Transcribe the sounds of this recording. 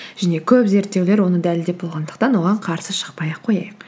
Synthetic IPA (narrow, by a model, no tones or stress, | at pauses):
ʒ̥æne̞kʲʰɵpze̞ɾt̪ːe̞wle̞ɾwo̞nəd̪ælɪld̪e̞p̚bo̞lˠʁɑnd̪əq̚t̪ɑnwo̞ʁɑɴqʰɑɾsəʃə̥qpɑjɑqʰːo̞jɑjəq